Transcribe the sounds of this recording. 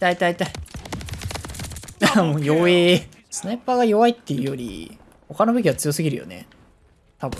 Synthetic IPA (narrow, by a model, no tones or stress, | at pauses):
t̪ait̪ait̪ai | namoːjoːeː | sɨnepːaɡajo̞βait̪ːe̞jɯ̟jo̞ɾʲḭ | ho̞kano̞be̞kʲiβat͡sɨjo̞sɨɡʲiɾɯ̰jo̰ne̞̰ | t̪abɯ̟̃